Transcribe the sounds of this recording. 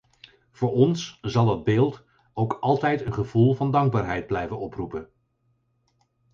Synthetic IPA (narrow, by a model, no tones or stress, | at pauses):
v̥ʊːɹɔnsz̥ɑlˠɑd̚bɪːlˠt | owkɑlˠtɛjtənχəvulˠvɑndɑŋɡ̚baːɹɦɛjd̚blɛjvənɔprupən